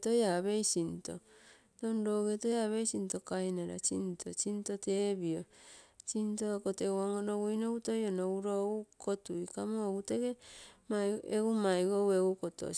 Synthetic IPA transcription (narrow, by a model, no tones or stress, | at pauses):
tojaβejsinto̰ | donɾoɡetojaβejsinto̞kainaɾa̰t͡ʃḭntʰo̰t͡ʃintoteβiot͡ʃintokotewaŋoɾoɡujnoɡutojonouɾoɡukotuikamoɡuteɡemaeumajɡoweɡukoto̰